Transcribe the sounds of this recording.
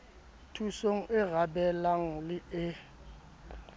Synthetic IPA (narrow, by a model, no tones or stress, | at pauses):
tʰusoŋ̩ʔɪɣabɛlaŋ̩lɪɪ